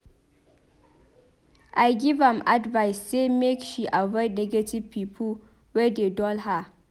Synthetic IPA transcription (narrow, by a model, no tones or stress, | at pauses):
ʔajɡivɛ̃madvaɪsːemekʃiʔavɔɪd̚nɛɡativ̥pʰiːpʰəl | wɛdedɔlha